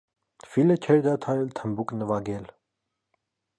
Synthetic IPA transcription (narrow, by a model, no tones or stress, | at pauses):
filət͡ʃʰɛɾd̪ɑt̪ʰɑɾɛlt̪ʰəmbuknəvɑɡɛl